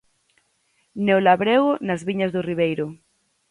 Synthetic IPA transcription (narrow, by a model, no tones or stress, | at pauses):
newlaβɾeɣʊnazβiɲɐzðʊriβejɾʊ